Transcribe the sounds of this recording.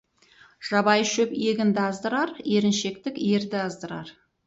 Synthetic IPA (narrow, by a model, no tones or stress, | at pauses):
ʒ̥ɑbɑjʃɵpe̞ɡʲɪnd̪ɑzd̪əɾɑɾe̞ɾɪnʃe̞k̚t̪ɪke̞ɾd̪ɪɑzd̪əɾɑ̰ɾ